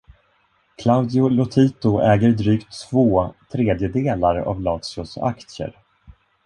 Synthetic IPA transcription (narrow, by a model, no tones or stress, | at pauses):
kʰlaʊd̪ɪʊlʊt̪ʰiːt̪ʊʔɛːɡəɾd̪ɾyːkt̪ːvoːt̪ʰɾeːd̪jəd̪eːlaɾa̰vlɑːtsʊsa̰kt̪sjə̰ɾ